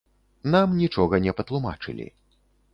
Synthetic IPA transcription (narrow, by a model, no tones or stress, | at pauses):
namnʲit͡ʂɔɣɐnʲɛpɐt̪lˠuma̰t͡ʂɨ̰lʲḭ